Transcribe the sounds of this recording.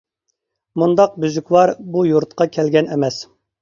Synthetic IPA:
mund̪ɑq̚byzykʲwɑɾbujuɾt̪qɑkʲʰɛlɡʲɛnɛmɛs

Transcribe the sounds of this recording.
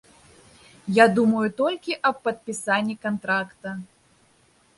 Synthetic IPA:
jad̪umɐjut̪ɔlʲkʲiʔɐp̚pɐt̪̚pʲisanʲːikant̪ɾakt̪ɐ

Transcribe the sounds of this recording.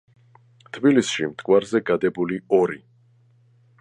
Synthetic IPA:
t̪ʰbilisʃimt̪ʼkʼwaɾzɛɡad̪ɛbuliɔɾi

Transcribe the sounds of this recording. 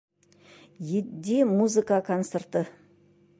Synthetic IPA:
jed̪emuzɨkakʰont̪sert̪ə

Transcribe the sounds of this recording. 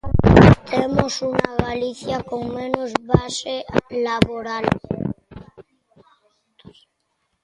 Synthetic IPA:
t̪ʰemosunaɣaliθjakoŋmẽnozβaselaβoɾal

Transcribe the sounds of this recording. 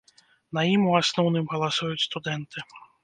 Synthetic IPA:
najimuasnɔwnɨmɣɐlˠasujut͡sʲst̪ud̪ɛnt̪ɨ

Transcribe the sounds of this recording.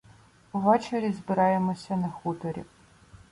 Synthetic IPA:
ʊvɛt͡ʃɐɾʲizbɨɾaːjɛmɔsʲɐnɐxut̪ʰɔɾʲḭ

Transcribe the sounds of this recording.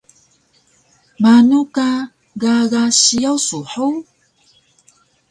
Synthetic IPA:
manuka | ɡaɣaɕiawsuħow

